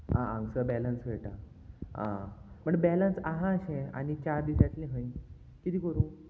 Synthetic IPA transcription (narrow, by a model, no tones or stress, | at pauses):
aãŋɡsəbɛlənsʋeʈa | ã̰ | m̤əɳbɛlənsaɦãɕẽa̰ɽ̃it͡ɕaɾd̪iːsat̪lẽɦə̃j | kit̪ʰiːkəɾũː